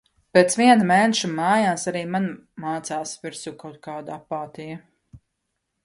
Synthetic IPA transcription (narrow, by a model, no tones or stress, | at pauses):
pet̪sʋiɛnmɛːnʃumaːjaːsaɾiːmanmaːt̪saːsviɾsuːkawt̪̚kaːd̪apaːt̪ijɐ